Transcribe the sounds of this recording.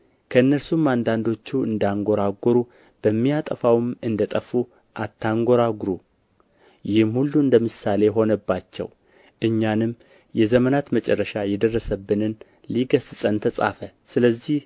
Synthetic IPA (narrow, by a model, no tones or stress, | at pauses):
kʰəɨnːəɾsumand̪and̪o̞t͡ʃːuɨ̰nd̪aŋɡo̞ɾaɡoɾu | b̥əmːijat̪ʼəfawɨmɨnd̪ət̪ʼəfu | ʔat̪ːaŋɡoɾaɡɾu | jɪhmhulːuɨnd̪əmɨsale̞ɦo̞nəbːat͡ʃːɛ̰w | ʔɨɲːanɨmː | jɛzəmənat̪mət͡ʃʼɛrːəʃajɛd̪ərːəsəbːɨnɨn | liɡəzɨt͡sʼənt̪ʰəsʼa̰fə | sɨləzːih